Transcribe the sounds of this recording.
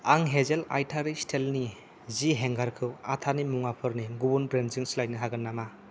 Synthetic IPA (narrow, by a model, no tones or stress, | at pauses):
aŋɦezela̰jtʰaɾistʰelni | ziɦeŋɡaɾkʰɯwatʰanimuŋapʰɯɾniɡubunbɾenziŋslajt̚niɦaɡɯnːama